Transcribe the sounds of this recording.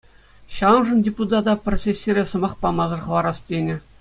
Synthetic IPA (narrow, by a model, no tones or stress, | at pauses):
ɕɑɤnʐɤ̆ndʲeput̪ɑd̪ɑprosʲesʲːiɾʲesɤ̆mɑχpɑmɑzɤ̆rχɤ̆ʋˠɑɾɑstʲenʲɘ̆